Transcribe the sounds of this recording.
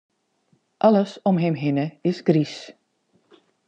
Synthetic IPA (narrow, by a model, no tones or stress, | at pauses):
ʔɑləsɔmɦɛmɦɪnəɪsɡris